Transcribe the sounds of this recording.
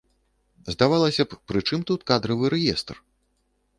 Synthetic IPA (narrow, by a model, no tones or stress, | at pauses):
zd̪avalˠɐsʲɐppɾɨt͡ʂɨmt̪ut̪kad̪ɾɐvɨɾɛjɛst̪r